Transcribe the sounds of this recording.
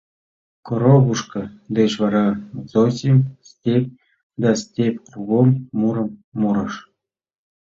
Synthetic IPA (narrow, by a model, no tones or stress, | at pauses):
koɾobuʂkɤ̆d̪eʂʋɑɾɑzosʲemʲsʲtʲepʲ | d̪ɑsʲtʲepʲruɡomːuɾɤ̆mːuɾɤ̆ʃ